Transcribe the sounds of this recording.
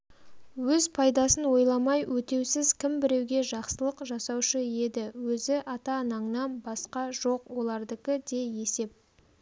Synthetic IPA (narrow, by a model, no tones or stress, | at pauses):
wɵzpʰɑjd̪ɑsənwo̞jlˠɑmɑjwʔɵt̪e̞wsɪzkʲʰɪmbɪɾe̞wɡʲe̞ʒɑqsəlˠəqʒɑsɑwʃəje̞d̪ɪwɵzɪʔɑt̪ɑnɑɴnɑnbɑsqɑʒo̞qwo̞lˠɑɾd̪əkʲɪd̪e̞je̞se̞p̚